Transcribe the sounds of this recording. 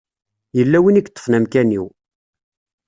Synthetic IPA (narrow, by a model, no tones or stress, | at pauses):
jəlːæwiniɡt̪ˤːə̥fnæmkæniw